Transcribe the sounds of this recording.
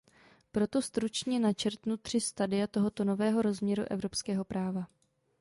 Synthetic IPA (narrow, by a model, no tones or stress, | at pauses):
pɾo̞t̪o̞st̪ɾut͡ʃɲɛnat͡ʃɛɾt̪nut̪r̝̥ɪst̪adɪjat̪o̞ɦo̞t̪o̞no̞vɛːɦo̞ɾo̞zmɲɛɾṵʔɛ̰vɾo̞pskɛːɦo̞pɾaːva